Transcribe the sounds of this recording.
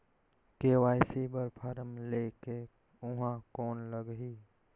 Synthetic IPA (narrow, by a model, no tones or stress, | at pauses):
keːwaːjsibəɾpʰaɾəmleːke | ʊɦãkɔːnləɡɦiː